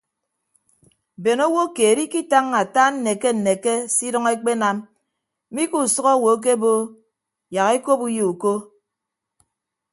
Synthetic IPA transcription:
be˨no˦wo˦keː˨ɾi˦ki˦ta˦ŋːa˨ta˦n̩˦ne˨ke˦n̩˨ne˨ke˦si˦dɔ˦ŋe˦k͡pe˦na˦m˦ | mi˦ku˦˨sʌ˦ɣɔ˦˨wo˨˦k̬e˦bo˦ | ja˨ɣe˦ko˦pu˦je˨u˨ko˦

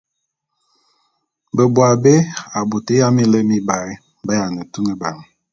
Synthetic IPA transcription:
bə˨bwa˨be˦a˨bu˨te˦ja˦mi˦lə˦mi˦ba˨ɾi˦ | ba˦ja˨nə˨tu˦nə˦ba˨ŋ˨

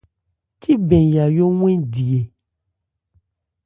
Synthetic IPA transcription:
tʰi˦bɛ̃˨ja˨jo˦ŋ̃ʷ˦ɛ̃˦di˨e˨

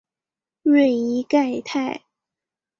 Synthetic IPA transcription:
ɥɛ˥˩ni˧˥ka˥˧˩ɪt̪ʰa˥˩ɪ

